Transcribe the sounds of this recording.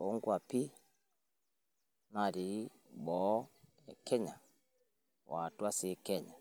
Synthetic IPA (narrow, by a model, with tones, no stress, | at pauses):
ɔ˦ŋɡua˨pi˦ | na˨ɾi˨ | bɔ˨˦ | ɛ˨kʰɛ˦ɲa˨ | wa˨twa˦si˦kɛɲa˨